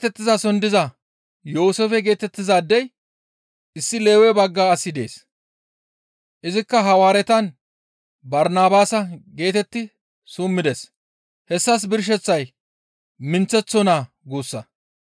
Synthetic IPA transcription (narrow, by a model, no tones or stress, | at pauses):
t̪ɛt̪ːɪzɐsɔnd̪ɪzɐ | joːsefɛɡe̞ːt̪ɛt̪ːɪzaːd̪ːɛj | ʔɪsːɪle̞ːwɛbɐɡːaːɐsːɪd̪e̞̰ːs | ʔɪzɪkːɐɦɐwaːɾɛt̪ɐn | bɐɾnaːbaːsɐɡe̞ːt̪ɛt̪ːɪ | suːmːɪd̪ɛs | hɛsːɐs̬bɪɾʃ̬ɛt͡sːɐj | mɪnt͡sːɛt͡sːɔnaː | ɡuːsːɐ